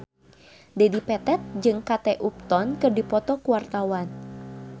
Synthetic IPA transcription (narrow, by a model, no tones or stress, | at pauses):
dɛdipɛt̪ɛt̪̚d͡ʒɨŋkat̪ɛʔup̚t̪ɔnkɨrdipɔt̪ɔkuwart̪awan